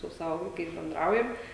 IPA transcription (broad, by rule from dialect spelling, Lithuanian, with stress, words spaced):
sʊ ˈsɑːʋoː ʋɐɪˈkɐɪs bʲɛnˈdrɐʊjɛm